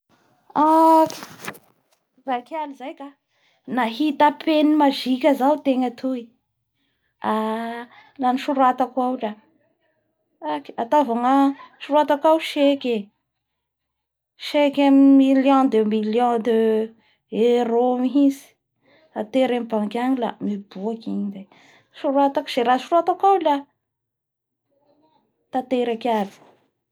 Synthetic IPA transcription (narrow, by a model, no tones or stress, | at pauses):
ak | vakalizajka | naɦit̪apʰenimaʒikʲəzaut̪eŋat̪ʰui | a | laniʃuɾuat̪akwawʈ͡ʂa | akat̪avaŋaʃuɾuat̪akawʃekʲe | ʃekamimiljõd̪emiljõd̪e | eɾomiɦizi̥ | at̪eɾemibaŋkaɲila̰mibuakiɲize | ʃuɾuat̪akz̥eɾaʃuɾuat̪akawla | t̪at̪eɾakavi̥